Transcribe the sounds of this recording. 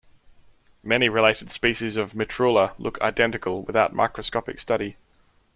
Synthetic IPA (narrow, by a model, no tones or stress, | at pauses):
mɛniɹɪleɪɾɪd̥spiˑʃɪzəvmɪtʰɹ̥ʉːlˠəlʔʊ̰kʰa̰ɪdɛ̃ntɪkʰəlˠwɪðaʊt̚mʔa̰ɪkɹəskɒpɪ̰kstʌɾi